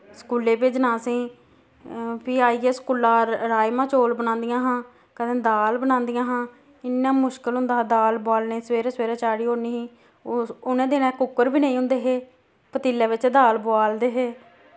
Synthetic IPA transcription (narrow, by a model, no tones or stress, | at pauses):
skuːleːpeːd͡ʒnãːsĩː | pʰiːaːiːeːskuːlaːɾɾaːjmãːt͡ʃoːlbənãːnd̪ɪjãːɦãː | kəd̪ẽːd̪aːlbənãːnd̪ɪjãːɦãː | ɪnːãːmʊʃkəlɦʊ̃nd̪aːd̪aːlbʊaːlneːsʋeːɾaːsʋeːɾãːt͡ʃaːɽiːɦoːniːɦĩː | ʊnẽːd̪enɛ̃ːkʊkːəɾbiːneːĩːɦʊ̃nd̪eːɦeː | pət̪iːlːẽːʋɪt͡ʃd̪aːlboaːld̪eːɦeː